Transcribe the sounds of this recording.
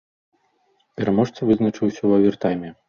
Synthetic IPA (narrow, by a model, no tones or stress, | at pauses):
pʲɛɾamɔʂt̪sɐvɨznɐt͡ʂɨwsʲɐwɐvʲɛrt̪ajmʲɛ